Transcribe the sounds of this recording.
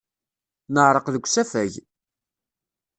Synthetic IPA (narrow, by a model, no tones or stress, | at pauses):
nəʕɾˤəqðəɡʷːsæfæʝ